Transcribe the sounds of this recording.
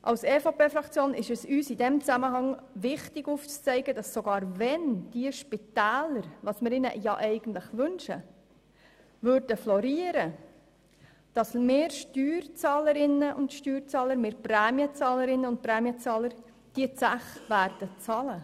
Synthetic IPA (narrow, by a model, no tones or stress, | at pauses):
ʔɑlsɛːfɑpʰeːfɾɑkt͡sjoːnɪʃɛsyːsid̥ɛmt͡sæməɦɑŋʋɪχtɪɡuːft͡st͡sɛɪɡəd̥ɑsːoɡɑːɾvɛnd̥iəʃpitæːləɾʋɑsmɪɾɪnə̰jɑ̰ʔɛɪɡ̥ən̩t̪ləχʋʏnʃə̰ | vʏɾd̥əflɔɾiːəɾə | d̥ɑsmeːɾʃtyːɾt͡sɑːləɾɪnːəʔʊntʃtyːɾt͡sɑːləɾmeːɾpɾɛːmjət͡sɑːləɾɪnːəʊnt̚pɾɛːmiət͡sɑːləɾ | d̥iət͡sæχʋæːɾd̥ət͡sɑlə